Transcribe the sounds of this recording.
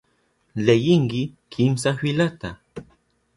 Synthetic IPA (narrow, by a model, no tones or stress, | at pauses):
lejɪŋkɪ | kʰɪmsafɪlat̪a